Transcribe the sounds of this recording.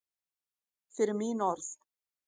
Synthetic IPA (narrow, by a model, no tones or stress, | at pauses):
fɪɾɪɾmiːnɔɾθ